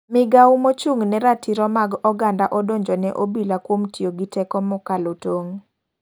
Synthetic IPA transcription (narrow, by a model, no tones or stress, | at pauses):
mɪɡaumot͡ʃuŋnɛɾatʰiɾɔmaɡɔɡandaʔɔdoɲd͡ʒɔnɛʔobilakwomtjoɡitɛkɔmɔkalotoŋ